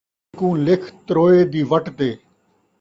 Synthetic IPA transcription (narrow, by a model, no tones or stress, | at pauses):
kũːlɪkʰt̪ɾoːeːd̪iːʋəʈd̪eː